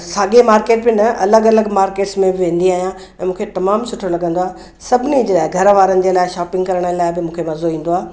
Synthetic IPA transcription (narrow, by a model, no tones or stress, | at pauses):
saːɠemaːɾkeːʈbɪnɐʔɐləɡɐləɡmaːɾkeːʈsmẽbɪʋẽːnd̪iaːɦijã | ɛ̃ːmũːkʰet̪ɐmaːmsʊʈʰolɐɡə̃nd̪oaːɦe | sɐbʱɪnid͡ʑeɗaːɪɡʱɐɾʋaːɾənɪ̆d͡ʑeːlaːɪʃaːpɪ̃ŋɡkɐɾəɽ̃əlaːɪbɪmũːkʰemɐzoĩːn̆d̪oaː